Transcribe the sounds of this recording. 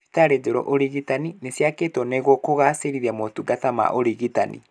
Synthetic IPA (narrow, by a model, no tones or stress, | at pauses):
etaɾed͡ʒoɾɔ̰ʔoɾiɣitaninesjaketwɔneɣɔkoɣaseɾiɾɛmotuɡatama̰ʔoɾiɣita̰nḭ